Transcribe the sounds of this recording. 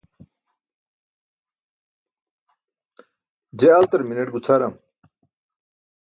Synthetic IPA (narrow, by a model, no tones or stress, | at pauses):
d͡ʑealt̪ɐɾminɐʈɡut͡sʰaɾɐm